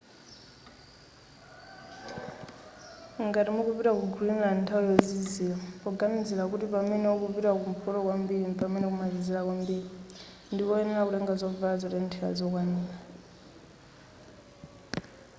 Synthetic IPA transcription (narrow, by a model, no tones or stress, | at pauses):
ŋɡatimukupiɾakuɡulinɾantʰaujɔzizilapɔɡamid͡zilakutipamɛnɛɔkupiɾakum̩pʰɔɾɔkwambiɾipamɛnɛkumazizilakwambiɾi | ndikɔɛnɛlakulɛŋɡazɔvazɔtɛntʰɛa̰zɔk̬waniːla